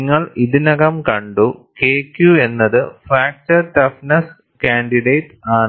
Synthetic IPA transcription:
ŋːɐɭiðinɐɣɐmkɐɳɖukeːkjue̞nːɐðɨfaːk̚tɐrʈɐfnɐs | kaːɳɖiɖeːʈaːɳɨ

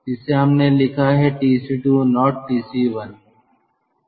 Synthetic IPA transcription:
ɪseɦɐmneːlɪkʰaːɦɛːʈiːsiːʈuːnɔːʈ̚ːiːsiːʋən

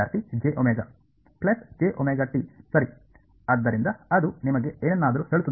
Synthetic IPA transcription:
aːɾt̪id͡ʒeʔomeːɡɐ | plɐsd͡ʒeːʔomeːɡɐʈisɐɾi | ɐd̪ːɐɾind̪ɐɐd̪unimɐɡe̞eːnenːaːd̪ɐɾuheːɭut̪u

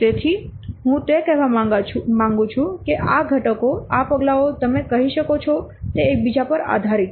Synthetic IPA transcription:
t̪et̪ʰiɦũt̪ekɛɦʋamãŋɡũt͡ʃʰũkeʔaɡʱəʈəkoapəɡlaot̪əmekəɦiʃəkot͡ʃʰɔt̪eek̚bid͡ʒapəɾa̰d̪ʱaɾit̪

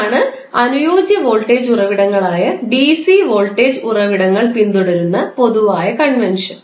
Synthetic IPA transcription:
ɳɨ | ɐnujoːd͡ʑjɐʋoːɭʈːeːd͡ʑurɐʋiɽɐŋːɐɭaːjɐɖisiʋo̞ːɭʈe̞ːd͡ʑurɐʋiɽɐŋːɐɭpind̪uɽɐɾunːɐpo̞ðuʋaːjɐkɐɳʋenʂɐn

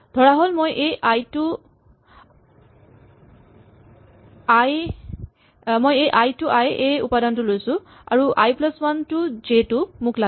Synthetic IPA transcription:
dʱɔɹaɦolmojʔejʔajtʊ | aj | mojejʔajtuʔajejṵpadɔntʊlojsʊ̃ | a̰ɹuʔa̰jplɔswantʊzetʊmʊkla

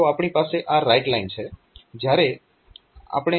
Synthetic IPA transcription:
oapɳipaseʔaɾajʈlaint͡ʃʰe | d͡ʒjaɾe | a̰pɳ̃e

